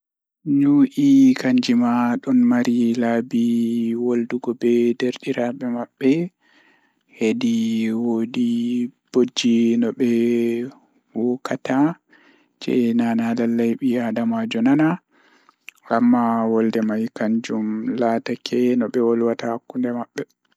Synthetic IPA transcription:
ɲuʔikaɲd͡ʒimaɗɔnmaɾʔilabiwolduɡɔbɛdeɾɗiɾaɓɛmaɓːɛ | hediwodib̥od͡ʒːinɔɓɛ | wɔkata | d͡ʒɛ̰nanalalːajɓiadamad͡ʒɔnana | ɡamːawɔldɛmajkaɲd͡ʒumlaːtakʰɛnɔɓɛwɔlwatahakːundɛmaɓːɛ

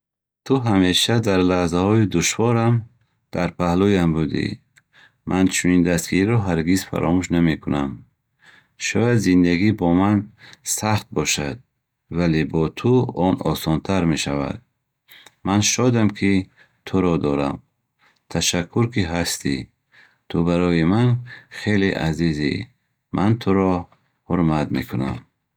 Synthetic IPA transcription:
t̪ʰuɦame̞ʃad̪aɾlahzahɔid̪uʃvɔɾam | d̪̥aɾpʰahlujambud̪ḭː | ʔant͡ʃʰunind̪ast̪ɡiɾiɾɔɦaɾɡizfa̰ɾʔɔmuʃname̞kʰunam | ʃɔjad̪zind̪aɡibɔmansaχt̪̚bɔʃad̪̚ | valebɔt̪ʰuɔnɔ̰sɔnt̪ʰaɾme̞ʃava̰d̪̥̚ | manʃɔd̪amkʰi | t̪ʰuɾɔd̪ɔɾam | t̪ʰaʃakʰːuɾkiɦast̪i | t̪ʰubaɾɔjimanχe̞leʔazizḭ | mʔant̪ʰuɾɔ | huɾmat̪me̞̰kʰuna̰m

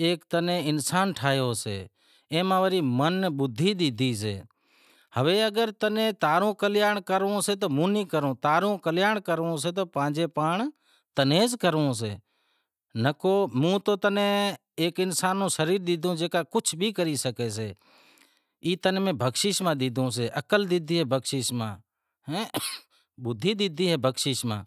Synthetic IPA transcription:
eːkt̪ənẽːɪnsaːnʈʰaːjoːsḛː | ẽːmãːʋəɾiːmənɓʊd̪ʱːiːɗ̪ɪd̪ʱiːs̬ḛː | həʋeːəɡəɾt̪ənẽːt̪aːɾõːkəljaːɳkəɾõːseːt̪oːmũːnĩːkəɾõːt̪aːɾõːkəljaːɳkəɾõːs̬eːt̪oːpãːd͡ʒeːpaːɳ | t̪əneːzkəɾõːs̬ḛː | nəkoːmũːt̪oːt̪ənẽː | eːkɪnsaːnõːʃəɾiːɾd̪ɪd̪ʱõːd͡ʒeːkaːkʊt͡ʃʰbʱiːkəɾiːsəkeːseː | iːt̪ənːmẽːbʱəkʃiːʃmãːd̪ɪd̪ʱõːseːʔəkəld̪ɪd̪ʱiːɦeːbəkʃɪːʃmã̰ː | ɦɛ̃ː | ɓʊd̪ʱːiːd̪ɪd̪ʱiːɦeːbʱəkʃɪːʃmã̰ː

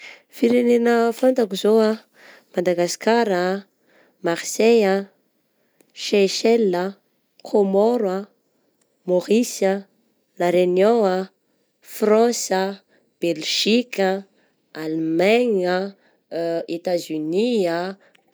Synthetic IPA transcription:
fiɾenenəfant̪akuzoa | mad̪aɡaskaɾa | maʁseja | ʃeʃɛlːə | kʰomɔɾwa | moʁisa | laɾenjõa | frɔ̃sə | b̥elʒ̥ikʲə | almaɲa | et̪azynia

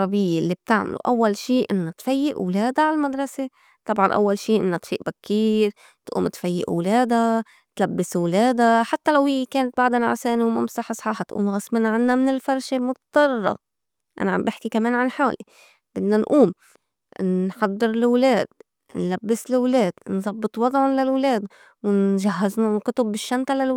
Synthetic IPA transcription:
ɾˤɑbɪjːelːib̚t̪ɪʕma̰lṵʔawːalʃiːʔɪnːat̪fajːɪʔwleːd̪aʕalmad̪ɾˤɑse | t̪ˤɑbʕɑnʔa̰wːalʃiːʔɪnːat̪fḭːʔbakʰːiːɾ | t̪ʔṵːmt̪fajːɪ̰ʔwleːd̪a | t̪labːɪswleːd̪aħat̪ːalawhɪjːekeːnat̪̚baʕd̪anʕa̰seːniwmamsɑħsˤħɑːħt̪ʔṵːmɣɑsˤmɪnaʕɪnːamɪnɪlfɑɾˤʃemʊt̪t̪ˤɑrˤːɑ̰ | ʔa̰naʕa̰mbʔɪħkikameːnʕanħaːli | bɪd̪nanʔuːm | nħɑd̪ˤːɨɾlwleːd̪̥̚ | nlabːɪslwleːd̪̥nzˤɑbːɨt̪ˤwɑd̪ˤʕʊnlalwleːd̪ | wɪnʒaɦːaznakʊt̪ʊbːɪʃːant̪alal

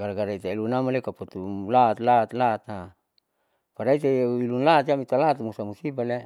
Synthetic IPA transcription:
ɡaɾaɡaɾait̪aelunamalekapot̪ulat̪lat̪lat̪a | paɾait̪ailunlat̪iamit̪alat̪musamusibale

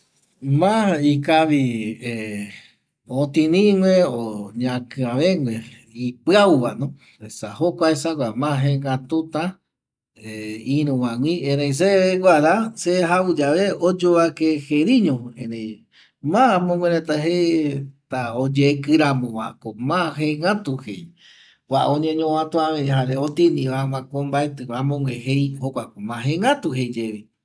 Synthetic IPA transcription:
mãikaβie | õt̪ĩnĩŋʷeoɲãkɨ̃ãβeŋʷẽ | ipɨawʋanõ | esahokʷaesaɡʷamãɦẽŋɡat̪ut̪a | eiɾ̃ũwãŋʷĩẽɾejs̬eɡʷaɾaseɦaud͡ʒaβeod͡ʒoβakeheɾĩɲõẽnẽj | mãmõɡʷwẽɾẽt̪aɦet̪aod͡ʒekɨɾamõwa̰komãɦeŋat̪uhḛj | waʔõɲẽɲõãt̪oamẽɦaɾeot̪inĩβamãkõmbaet̪ɨwamõŋʷẽhejhokʷakomãɦeŋɡat̪uhejd͡ʒeβi

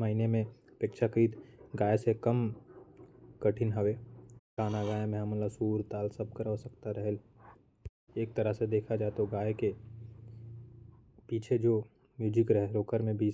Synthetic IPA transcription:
məɦinemẽpeːkʃakɾiːt̪ɡaːjsekəm | kəʈʰɪnɦəʋekaːnaɡaːjemẽɦãmələsuːɾt̪aːlsəb̚kəɾɦosəkt̪aɾəɦəl | eːk̚t̪ɐɾəɦsed̪eːkʰad͡ʒaːt̪oɡaːjeke | piːt͡ʃʰed͡ʒoː | mjuːd͡ʒɪkɾəɦɛɾoːkəɾmẽbʱiː

